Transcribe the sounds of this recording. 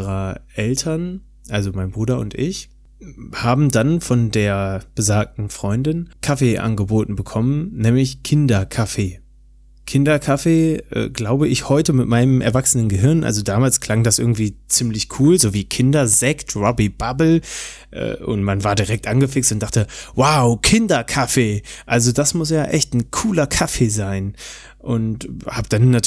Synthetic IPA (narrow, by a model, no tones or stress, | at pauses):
ʁəʔɛltʰɐn | ʔalzomaɪnbʁuːɾɐʊ̰ntʔɪç | haːbm̩danfɔndeːɐb̥əzaːk̚tn̩fʁ̥ɔʏndɪnkʰafeːʔa̰nɡəboːtn̩bəkʰɔmənnɛːmlɪçkʰɪndɐkʰafeː | kʰɪndɐkʰafeːʔɛ̰ːɡlaʊbəʔɪçhɔʏtəmɪtmaɪnəmʔɛ̰ɐvaksənənɡəɦɪɐnʔa̰lzodaːmaːlskʰl̥aŋdasʔɪɐɡŋ̩tv̥iːt͡siːmlɪçkʰuːlzoːviːkʰɪndɐzɛktʁɔbib̥abl̩ | ʔɛ̰ːʔʊ̰ntmanvaːɐdiʁɛk̚tʔanɡəfɪkstʊntd̥aχtəwaʊkʰɪndɐkʰafeːʔalzodasmʊsjaːʔɛçtn̩kʰuːlɐkʰafeːzaɪn | ʔʊnthaːbd̥anːat